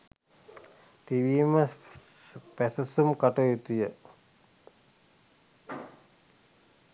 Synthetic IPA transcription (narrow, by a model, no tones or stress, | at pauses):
t̪iʋiːmə | pæsɐsumkaʈojut̪ujə